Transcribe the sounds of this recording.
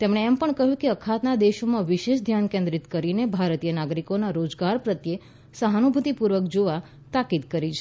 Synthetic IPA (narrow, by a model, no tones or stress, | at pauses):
t̪emɽ̃eːmpəɳkəɦjũkeəkʰat̪nad̪eʃomãʋiʃeʃd̪ʱjankẽnd̪ɾit̪kəɾinebʱaɾt̪ijənaɡɾikonaɾod͡ʒɡaɾpɾət̪je | səɦanubʱut̪ipuɾʋəkd͡ʒoʋa | t̪akid̪kəɾit͡ʃʰe